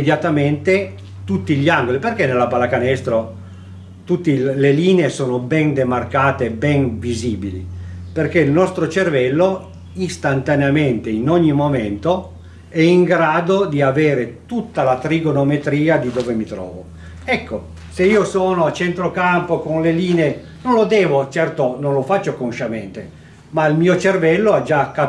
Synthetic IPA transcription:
ed̪jat̪ament̪e | t̪ut̪ːiʎːiaŋɡoliperkenːelːapalakanɛst̪ɾo | t̪ut̪ːileliːneesoːnobɛnd̪emarkaːt̪ebɛnviziːbilḭperk̟eilnɔst̪ɾot͡ʃervɛlːo | ist̪ant̪aneament̪einoɲːimoment̪o | ɛiŋɡɾaːd̪od̪iaveːɾet̪ut̪ːalat̪ɾiɡonomet̪ɾiːad̪id̪oːvemit̪ɾɔ̰ːvo | ɛkːo | seiːosoːnoat͡ʃːent̪ɾokampokonleliːnee | nõnlod̪ɛːvot͡ʃɛrt̪onõnlofat͡ʃːokonʃament̪e | mailmiːot͡ʃervɛlːoad͡ʒakːa

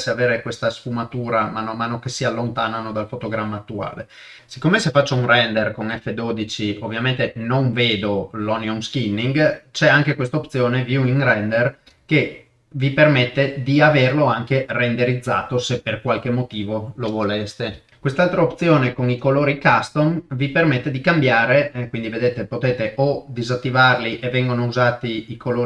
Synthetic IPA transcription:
seaveːɾekwest̪asfumat̪uːɾamaːnoamaːnokesialːont̪aːnanod̪alfot̪oɡɾamːaːt̪ːua̰ːle | si̥kːoːmesefat͡ʃːounrɛnd̪erkonɛfːed̪oːd̪it͡ʃiovːjament̪enoɱveːd̪olɔneounskinːiŋɡt͡ʃɛaŋkekwest̪aopt̪sjoːnevjuiŋrɛnd̪er | ke | vipermet̪ːed̪iaverloaŋkerend̪eɾid̪zːa̰ːt̪oseperkwalk̟emot̪iːvolovolest̪e | kwest̪alt̪ɾaop̪̚sjoːnekonikoloːɾikast̪omvipermet̪ːed̪ikambjaːɾekwind̪ived̪eːt̪epot̪eːt̪eʔod̪izat̪ːivarliʔevːɛŋɡonouzaːt̪iikoloː

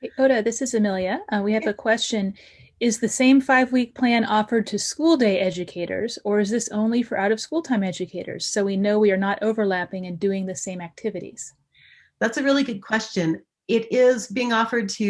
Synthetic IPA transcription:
oʊɾɨðɪsɨzɨmɪlˠjɨwiɨvɨkʰw̥ɛst͡ʃɨ̃n | ɪzðɨsẽɪ̃ɱfaɪvwik̚pʰl̥æ̃nɔfə˞d̚tʰɨskulˠdeɪʔɛd͡ʒɨkʰeɪɾə̰˞zə˞ɨzðɪsõ̰ʊ̃nlifə˞ʔaʊɾʌv̥skulˠtʰãɪ̃mɛd͡ʒɨkʰeɪɾə̰˞z̥soʊwinoʊwiə˞nəɾʔoʊvə˞læpɪ̃ŋɨ̃ndʉɪ̃ŋðɨsẽɪ̃mæk̚tʰɪvɨɾḭz̥ | ðætsɨɹɪlˠiɡʊd̚kʰw̥ɛst͡ʃɨ̃n | ɪɾɪzbiɪ̃ŋɔfə˞d̚tʰɨ

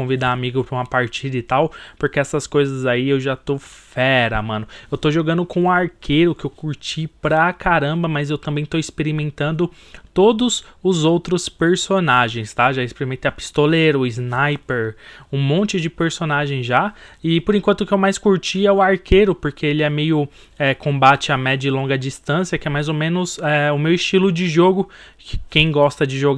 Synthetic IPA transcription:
õvid̪aːmiɡʊpɾũmɐpaɾt͡ʃid̪ɐɪt̪awpoɾkeɛsɐskojzɐzaiewʒat̪ofɛɾɐ̰mɐ̃nʊewt̪oʒoɡɐ̃nd̪ʊkõʊaɾkʰeɾʊkɪewkuɾt͡ʃipɾɐkʰaɾɐ̃bɐmɐzewt̪ɐ̃mbẽj̃t̪oispeɾimẽnt̪ɐ̃nd̪ʊ | t̪od̪ʊzʊzowt̪ɾʊspeɾsonaʒẽj̃st̪aʒaispeɾimẽt̪eɐpi̥st̪oleɾʊʊiznajpeɾũmõnt͡ʃɪd͡ʒɪpeɾsonaʒẽj̃zʒaɪpoɾẽŋkwɐ̃nt̪ʊkɪewmajskuɾt͡ʃiɛʊaɾkeɾʊpoɾkʰeelɪɛmejʊ | ɛkõbat͡ʃɪamɛd͡ʒɐɪlõɡɐd͡ʒist̪ɐ̃siɐkɪɛmajzomẽnʊzɛʊmewist͡ʃilʊd͡ʒɪʒoɡʊkɪ̥kẽj̃ɡɔst̪ɐd͡ʒɪʒo

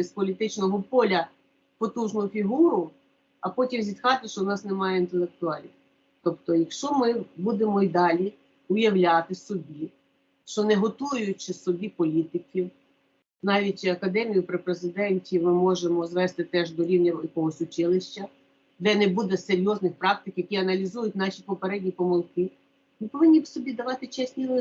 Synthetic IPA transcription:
spɔlʲit̪ɪt͡ʃnɔɦɔpɔlʲɐ | pɔt̪uʒnʊjʊfʲiɦuɾʊ | ɐpɔtʲimzʲit̪xɑt̪ɪʃt͡ʃɔnɑsnemɑjɛint̪elˠek̚t̪ʊɑlʲnʲiw | t̪ɔpt̪ɔjɐkʃt͡ʃɔmɪbud̪emɔid̪ɑlʲi | ʊjɐwlʲɑt̪ɪsɔbʲi | ʃt͡ʃɔnɛɦɔt̪ujʊt͡ʃɪsɔbʲipɔlʲit̪ɪkʲiw | nɑʋʲitʲt͡ʃɐkɐd̪ɛmʲijʊpɾɪpɾezɪd̪ɛnʲtʲimɪmɔʒemɔzʋɛst̪ɪt̪ɛʒd̪ɔɾʲiwnʲɐjɐkɔɦɔsʲʊt͡ʃɪlˠɪʃt͡ʃɐ | d̪ɛnebud̪ɛseɾʲjɔznɪxpɾɑk̚t̪ɪkjɐkʲiɐnɐlʲizujʊtʲnɑʃʲipɔpeɾɛdʲnʲipɔmʊlˠkɪ | mɪpɔʋɪnʲːisɔbʲid̪ɐʋɑt̪ɪt͡ʃɛsʲnʲilɪ

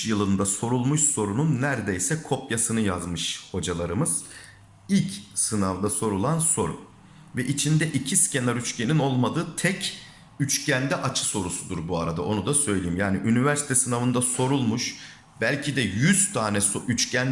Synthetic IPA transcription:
jɯlˠɯnd̪aso̞ɾulˠmuʃso̞ɾununːæɾd̪ejsɛkʰo̞pjasɯnɯjazmɯʃho̞d͡ʒalˠaɾɯmɯz̥ | ilʲcsɯnavd̪aso̞ɾulˠanso̞ɾṵ | vɛʔit͡ʃʰind̪ɛʔicʰisce̞naɾyt͡ʃcʲenino̞lˠmad̪ɯːt̪ʰɛc | yt͡ʃcʰænd̪ɛʔat͡ʃʰɯ̥so̞ɾusud̪uɾbuaɾad̪a̰ʔo̞nud̪asø̞jlʲejimjaːniʔynivæɾsit̪ʰɛsɯnavɯnd̪aso̞ɾulˠmuʃ | bælʲcʰid̪ɛjyz̥t̪ʰaːnɛsoyt͡ʃcʰæn

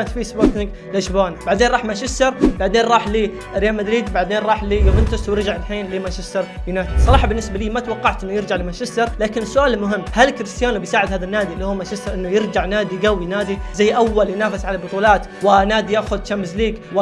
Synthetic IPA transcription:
t̪fiːsboɾt̪nɪɡ | lɪʃboːnbaʕd̪eːnɾˤɑːħmaʃɪsɑɾˤbaʕd̪eːnɾˤɑːħliː | ɾjalmad̪ɾiːd̪baʕd̪eːnɾˤɑːħliːjobɪnt̪ɪswjɪɾd͡ʒaʕɪlħiːnlimaʃɪst̪ːɑɾˤjnaːɪsˤːɑɾˤɑːħɑbɪnːɪsbaliːmat̪wɑqːɑʕt̪ʔɪnːʊjɪɾd͡ʒaʕlɪmaʃɪsːɑɾˤlaːkɪnɪsːʊʔaːlmʊɦɪmːhalkɪɾɪst̪ɪjaːnubɪjsaːʕɪd̪haːðanːaːd̪ilːihuːmaʃɪst̪ɑɾˤʔɪnːʊjɪɾd͡ʒaʕnaːd̪ijɡawːinaːd̪izajːʔawːaljnaːfɪsʕalabʊt̪ˤuːlɑːt̪wɪnaːd̪ijaːxʊd̪̚t͡ʃambɪzliːɡw

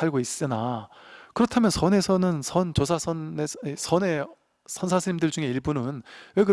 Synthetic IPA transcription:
aɭɡois͈ɯna | kɯɾʌtʰamjʌnsʰʌne̞sʰʌnɯnsʰʌnt͡ɕos̬ʰasʰʌnesesʰʌne̞ | sʰʌnsʰasʰɯimdɯɭd͡ʑuŋe̞iɭbunɯnweɡɯ

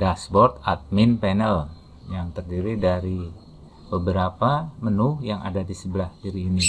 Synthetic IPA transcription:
dasbɔrt̪at̪̚mɪnpenəl | jaŋt̪ərdiɾidaɾi | bəbəɾapamənʊhjaŋa̰dadisəbəlahdiɾiːni

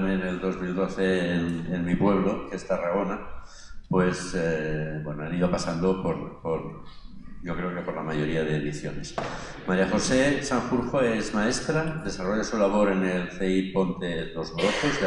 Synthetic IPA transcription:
meneld̪o̞zminut̪oθeːnenmipwe̞β̞lo̞kest̪araɣo̞na | pwe̞sebwenoaniðopasand̪opoɾpoɾ | ɟ͡ʝokɾe̞okepo̞ɾlamaʝo̞ɾiaðeðiθjo̰nes | maɾjaxo̞sesaŋfuɾxoezmae̞st̪ɾad̪e̞saro̞ʝasulaβ̞o̞ɾe̞ne̞lθeipo̞nt̪elo̞znotoz

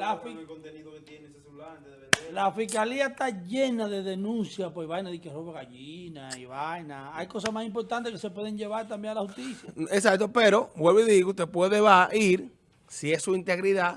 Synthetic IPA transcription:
lafikont̪eniðoket̪jensesulant̪elafiskaliaest̪aʝe̞naðe̞ðe̞nũnsjapweβajnaðikeroβaɣaʝinaiβajnaajko̞sasmasimpo̞ɾt̪ant̪ekese̞pwe̞ðeɲʝe̞βaɾt̪ambjeŋalahust̪isaesak̚t̪opeɾo̞bwelβoiðiɣut̪epweðeβaʔiɾ | sie̞suint̪e̞ɣɾiða

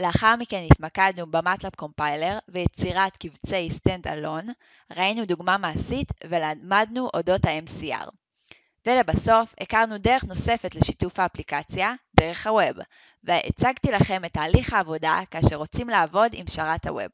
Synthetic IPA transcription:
leaχaʁmike̞nitmakadnubamatlapko̞mpajle̞ʁvejet͡siʁatkivt͡sejst̪enda̰lo̞n | ʁainuduɡmamaːsitvelamadnuʔo̞do̞thaemsia̰ʁ | vele̞baso̞fekaʁnude̞ʁe̞χno̞se̞fe̞tleʃi̥tufaːplikat͡sjade̞ʁe̞χhaweb | veʔḛt͡saɡtilaχe̞metaːliχhaːvo̞dakaːʃeʁo̞t͡simlaːvo̞dimʃaʁatha̰wḛb̚

